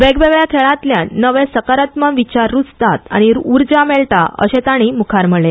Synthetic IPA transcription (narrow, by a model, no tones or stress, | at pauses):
ʋeɡʋeɡɭjakʰeɭãt̪ljanəʋẽsəkaɾat̪məʋit͡ɕaɾːut͡st̪at̪a̰ɽ̃iɾuɾd͡ʑameɭʈa̰ə̰ɕet̪aɽ̃imukʰaɾməɭe